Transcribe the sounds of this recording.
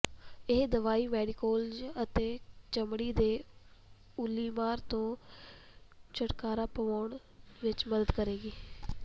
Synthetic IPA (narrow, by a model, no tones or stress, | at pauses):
ɪɦd̪əʋaːiːmɛːɖikoːld͡ʒət̪eːt͡ʃəmɽiːd̪eː | ʊlːiːmaːɾt̪õː | t͡ʃəʈkaːɾaːpəʋaːɳ | ʋɪt͡ʃməd̪əd̪kəɾeːɡiː